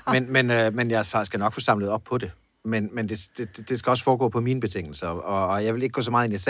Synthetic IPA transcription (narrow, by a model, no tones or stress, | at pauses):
menmenømenjɑ̈ɪssɡ̥ænɒ̽ɡ̥fɔ̽ːsɑ̈m̰ləð̩ˠɒ̽b̥̚pʰɒ̽d̥e̝ | menmend̥e̝d̥e̝d̥ed̥e̝sɡ̥æɒ̽sfɒːɡ̥ɔ̰ːpʰɒ̽miːnəb̥e̝t͡sʰeŋ̰l̩sɐɒ̽ːjɑɪele̝ɡ̥ɡ̥ɔ̰ːsɒmɑ̈ːð̩ˠenes